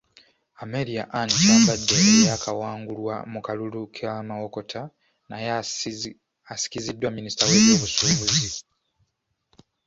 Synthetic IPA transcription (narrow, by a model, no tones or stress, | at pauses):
ameɾiaʔannaːmbadːeejakawaːŋɡulwa̰mukalulukʰamawoko̞tʰa | naj | asi̥kizidːwaminisi̥taweβjoβusuːβuzi